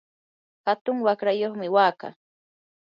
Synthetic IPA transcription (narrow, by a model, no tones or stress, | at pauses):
hat̪ʊŋwakɾajoχmɪwaːka̰